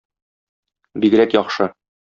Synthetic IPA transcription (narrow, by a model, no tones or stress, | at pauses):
biɡ̆ɾækjɒχʃɤ